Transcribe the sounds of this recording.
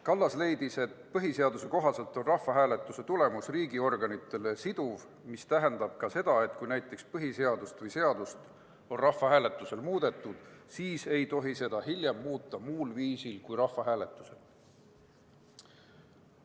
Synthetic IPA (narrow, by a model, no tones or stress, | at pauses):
kɑlːɑsle̞jd̪̥ise̞t̪pɤɦise̞ɑd̪̥use̞ko̞ɦɑse̞lt̪ːˑonrɑhvɑɦæːle̞t̪ːˑuse̞t̪ule̞musriːɡio̞rɡ̥ɑnit̪ːˑe̞lesid̪̥uv | mist̪æɦend̪̥ɑb̥̚kɑse̞d̪̥ɑe̞t̪ˑkujnæjt̪ːˑe̞kspɤɦise̞ɑd̪ust̪vɯjse̞ɑd̪̥ust̪ | o̞nrɑhfɑɦæːle̞t̪ːˑuse̞lmuːd̪̥e̞t̪ːˑud̪̥siːse̞jt̪o̞ɦise̞d̪̥ɑɦilʲjemːuːt̪ːˑɑmuːlviːsilkujɾɑhfɑɦæːle̞t̪ːˑu̥se̞l